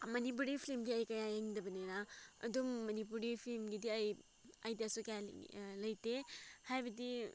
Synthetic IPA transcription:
mɐnip̬uɾipʰilimɡiɐjkɐjajeŋdɐbɐneɾaɐ̰dumːɐnip̬uɾipʰilmɡidiɐj | ajdjasukɐjal̰lɐjtehajbɐdi

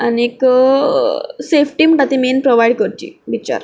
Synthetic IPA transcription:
aniek | sefʈiːmɳʈat̪imenpɾoʋajɽkəɾt͡ɕḭːʋit͡ɕa̰ɾ

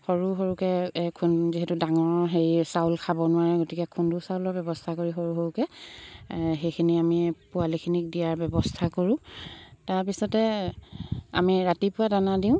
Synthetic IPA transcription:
xoɹuɦoɹukɛkʰunziɦetudaŋɔɹɦeɹisawlkʰabɔnʊwaɹɛɡotikɛkʰundusaʊlɔɹbjɛbɔstʰakoɹiɦoɹuɦoɹukɛ | ɦejkʰiniamipʊalikʰinik̚dijaɹbɔbɔstʰakoɹʊ̃taɹpisɔtɛ | a̰miɹatipʊwadanadiʊ̃

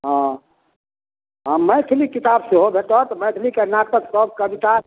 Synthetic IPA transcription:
ɦã | ɦãməjt̪ʰlikit̪abseɦobʱeʈɔt̪məjt̪ʰlikenakt̪əksɔb̚kəbit̪a

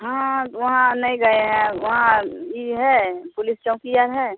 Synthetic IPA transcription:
ɦãʋɐɦãnɐĩɡɐeɦɛ̃ʋɐɦãjiɦɛpʊlɪst͡ʃɔ̃ʊ̃kijaɾɦɛ

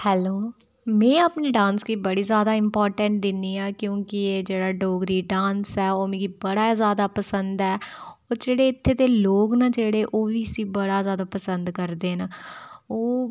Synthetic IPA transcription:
hɛːloː | mɛ̃ːapniːɖãːnsɡiːbəɽiːzjaːd̪aːɪmpɔːɾʈəɳʈ̚d̪ɪnːiːaːkjõːkɪeːd͡ʒeːɽaːɖoːɡɾiːɖãːnsɛːoːmẽːɡiːbəɽaːzjaːd̪aːpəsənd̪ɛːoːd͡ʒeːɽeːɪt̪ʰːeːt̪eːloːɡnaːd͡ʒeːɽeːʔoːʋiːsiːbəɽaːzjaːd̪aːpəsənd̪kəɾd̪eːnaoː

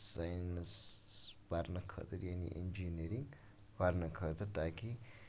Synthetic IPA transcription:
sajns | baɾnɐkʰə̰t̪ʰɐɾjaːnḭʔḛnd͡ʒineɾiŋɡ | baɾnɐkʰət̪ɐt̪aːki

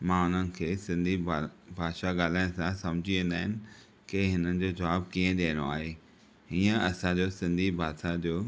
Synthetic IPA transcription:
mãʊn̤ənɪ̆kʰeːsɪ̃nd̪ʱibʱaːʃaɠaːl̤aːɪnsãsɐ̃md͡ʑʱiʋẽːn̆d̪aːɦɪnɪ̆ | kɪɦɪnənɪ̆d͡ʑoːd͡ʑɐʋaːb̚kiːə̃ɗiə̃no̰aːɦe | ɦiːə̃ɐsãd͡ʑoːsɪ̃nd̪ʱibʱaːd̪ʃad͡ʑoː

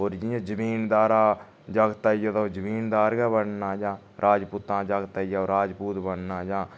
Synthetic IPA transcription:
oːɾd͡ʒĩːd͡ʒãːd͡ʒəmiːnd̪aːɾaː | d͡ʒaːɡt̪aːijat̪aod͡ʒəmiːnd̪aːɾɡɛːbəɳnãːd͡ʒãː | ɾʔaːd͡ʒpʊt̪ãːd͡ʒaːɡt̪aijaːoɾaːd͡ʒpuːt̪bəɳnãːd͡ʒãː

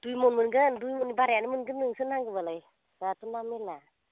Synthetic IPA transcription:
d̥ujmonmɯnɡəndujmonibaɾɛanəmɯnɡɯmɯŋsɯnaŋɡɯbalaj | ɾatunamila

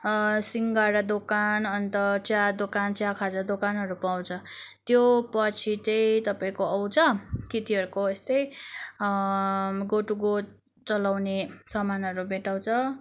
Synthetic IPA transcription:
siŋɡaɾad̪okanʌnt̪ʌt͡sjad̪okant͡sjakʰad͡zad̪okanɦʌɾupaw̃t͡sʰʌt̪jopʌt͡sʰit͡sʌjt̪ʌpaĩkoʌw̃t͡sʰʌkit̪iɦʌɾukoest̪ʌj | ɡoʈuɡo | t͡sʌlawnesʌmanʌɾubeʈaw̃t͡sʰʌ

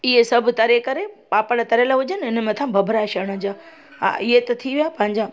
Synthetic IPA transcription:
ɪɦesɐbʱt̪ɐɾekɐɾepaːpəɽt̪ɐɾelaɦʊd͡ʑənɪɪnə̆mẽt̪ʰãbʱɐbʱɾaʃɐɽ̃ə̆d͡ʑaː | ɦa̰ʔɪɦet̪ɐt̪ʰiʋijaːpɐ̃ɦɪ̃ɲd͡ʑaː

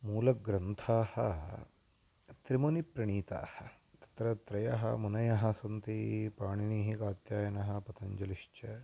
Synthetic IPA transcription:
muːlɐɡɾɐnt̪ʰaːhɐ̰ | t̪ɾimonipɾɐɳiːt̪a̰ːhɐ̰ | t̪ɐ̥t̪ɾɐt̪ɾɐjɐ̰ɦɐ̰munɐjɐɦɐsɐnt̪ipaːɳiniːɦikaːt̪jaːjɐnɐɦɐ̆pɐt̪ʰɐɲd͡ʒɐliʂt͡ʃɐ

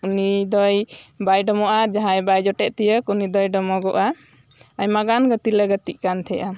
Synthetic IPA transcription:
unid̪ɔjbajɖɔmɔʔad͡ʒaɦãjbajd͡ʒɔʈɛʔt̪ijəkunid̪ɔjɖɔmɔɡɔʔa | ajmaɡanɡət̪ilɛɡət̪iʔkant̪ʰɛjʔa

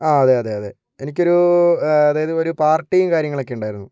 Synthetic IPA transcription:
aːɐðe̞ɐðe̞ːɐðe̞ | enikʲːo̞ɾuɐðaːjɐðɨo̞ɾupaːrʈːijumkaːɾjɐŋːɐɭo̞kːeuɳɖaːjiɾunːu

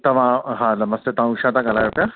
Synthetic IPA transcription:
t̪ɐʋãɦãnɐməst̪et̪ɐʋãuʂãt̪ãɡalajopja

